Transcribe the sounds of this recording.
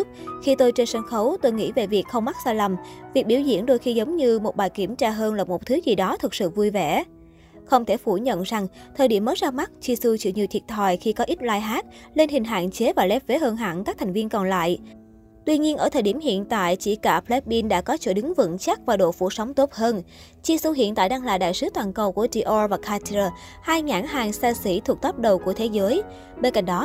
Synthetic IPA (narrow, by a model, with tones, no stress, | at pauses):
k̚xi˧t̪o˧jt͡ɕe˧nsa˧nxə˨˦wt̪o˧jŋḭ˧˥ve˨˩vi˨˩ək̚xə˧wŋ͡mma˦˥t̚zaː˧jlə˨˩mvi˨˩k̚ɓi˧˩əwzḭ˧˩ənɗo˧jxi˧zə˨˦wŋ͡mɲɨ˧mo˨˩t̚ɓaː˨˩jki˧˩əmt͡ɕaː˧ɦəː˧nlaː˨˩mo˨˩t̪ʰɨ˨˦zi˨˩ɗɔ˨˦t̪ʰɨ˨˩k̚sɨ̰˧˨vu˧jvɛ˧˩ | xə˧wŋ͡mt̪ʰe˧˩fu˧˩ɲə̰˧˨nza˨˩ŋt̪ʰəː˨˩jɗi˧˩əmːəː˨˦jzaː˧ma˦˥t̚t͡ɕi˧su˧t͡ɕɨ̰˧˩ɲi˨˩t̪ʰi˨˩ət̚t̪ʰwaː˨˩jxi˧kɔ˨˦ʔi˦˥t̚laː˧˩jɦaː˦˥t̚le˧nhï˨˩ŋ̟ɦa̰ː˧˨nt͡ɕe˨˦vaː˨˩lɛ˦˥p̚ve˨˦ɦəː˧nɦa̰ː˧˩nkaː˦˥k̚t̪ʰŋ̟vi˧ənkɔ˨˩nla̰ː˧˨j | t̪wi˧ɲi˧ənʔəː˧˩t̪ʰəː˨˩jɗi˧˩əmhḭ˧˨ənt̪a̰ː˧˨jt͡ɕḭ˧˩kaː˧˩plɛ˦˥t̚ɓi˧nɗa̰ː˧˥kɔ˨˦t͡ɕo̰˧˩ɗɨ˨˦ŋvɨ̰˧˥nt͡ɕa˦˥k̚vaː˨˩ɗo̰˧˨fṵ˧˩sə˨˦wŋ͡mt̪o˦˥p̚həː˧n | t͡ɕi˧su˧ɦḭ˧˨ənt̪a̰ː˧˨jɗaː˧ŋla̰ː˧˨jɗa̰ː˧˨jsɨ˨˦t̪waː˨˩nkə˨˩wku˧˩əti˧ʔɔ˧vaː˨˩kʰaː˧tə˧ | haː˧jŋa̰ː˧˩ŋɦaː˨˩ŋsa˧sḭ˧˩t̪ʰu˨˩ək̚t̪ə˦˥p̚ɗə˨˩wku˧˩ət̪ʰe˨˦zəː˨˦j | ɓe˧nka̰˧˨jŋ̟ɗɔ˨˦